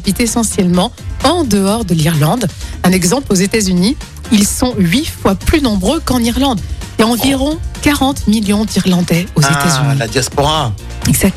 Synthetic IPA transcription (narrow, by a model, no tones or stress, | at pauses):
bit̪esɑ̃sjɛlmɑ̃ɑ̃d̪əɔʁd̪əliʁlɑ̃d̪ɛ̃nɛɡzɑ̃plozet̪azyni | ilsɔ̃ɥifwaplynɔ̃bʁøkɑ̃niʁlɑ̃d̪ijaɑ̃viʁɔ̃kaʁɑ̃t̪miljɔ̃d̪iʁlɑ̃d̪ɛozet̪azynilad̪jaspɔʁa | ɛɡzak̪̚